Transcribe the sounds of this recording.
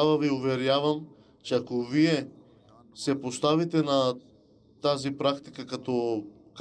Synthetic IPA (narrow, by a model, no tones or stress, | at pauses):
avaviuvɛɾjavam | t͡ʃɛakoviɛ | sɛpost̪avit̪ɛna | t̪azipɾakt̪i̥kakat̪ɔ | k